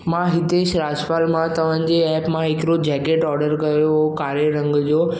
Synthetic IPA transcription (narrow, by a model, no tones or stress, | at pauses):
mãɦɪt̪eːʃɾaːd͡ʑpaːlmãt̪ɐʋ̤ãːɲ̆d͡ʑeɛːpmãɦɪkɾod͡ʑɛːɡeːʈɔːɾɖəɾkɐjoɦokaːɾjəɾɐ̃ŋɡd͡ʑoː